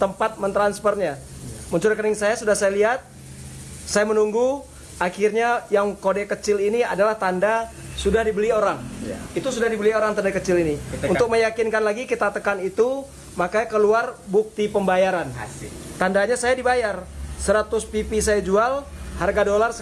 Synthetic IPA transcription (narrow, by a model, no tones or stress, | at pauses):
t̪əmpat̪̚mənt̪ɾanspərɲaməɲt͡ʃʊɾkənɪŋsajasudahsajaliɦat̪̚ | sajamənuŋɡu | akɪrɲajaŋkodɛkət͡ʃɪliniadalaht̪andasudahdibəlioɾaŋit̪usudahdibəlioɾaŋt̪andakət͡ʃɪliniunt̪ʊk̚məjakɪnkanlaɡikit̪at̪əkanit̪u | makakəluarbuk̚t̪ipəmbajaɾan | t̪andaɲasajadibajarsəɾat̪ʊspipisajad͡ʒual | harɡadolars